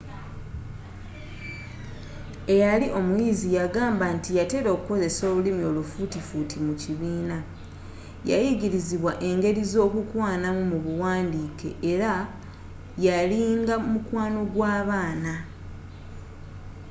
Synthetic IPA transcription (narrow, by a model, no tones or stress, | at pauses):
e̞jaliʔo̞mujiːzijaɡaːmbantijate̞ɾo̞ːkuko̞ze̞so̞ːβulimio̞lufutifutʰimuciβiːna | ja̰jiɟiɾiziβwaʔe̞ŋɡe̞ɾizo̞ːkukwaːnamumuβuwaːndiːkḛʔeɾa | jaliːŋɡamukwaːno̞ɡwaːβaːna